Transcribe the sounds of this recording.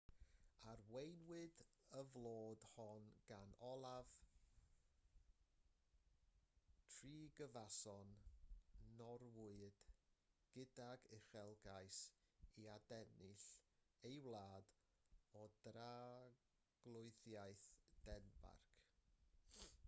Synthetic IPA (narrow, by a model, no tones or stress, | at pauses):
arwejnwɨd | əvlˠoːdhɔnɡ̥anɔlˠav | tʰriːɡəvasɔnː | ɔɾwʊɨd̥ɡ̥ɪdaɡɪχɛlˠɡajsiadɛnɪɬejwlˠaːd | ɔdra | ɡ̥lˠʊɨθjajθd̥ɛnba̰rkʰ